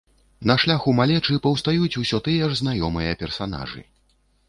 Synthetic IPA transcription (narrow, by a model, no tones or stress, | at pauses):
nɐʂlʲaxumalʲɛt͡ʂɨpɐwst̪ajut͡sʲusʲɔt̪ɨjɛʐznajɔmɨjɐpʲɛrsan̪a̰ʐɨ̰